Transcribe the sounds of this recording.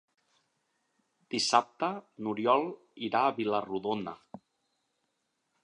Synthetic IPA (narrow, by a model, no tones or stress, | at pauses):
d̪̥isap̚t̪ənuɾjɔlˠ | iɾaːβiləruðonə̰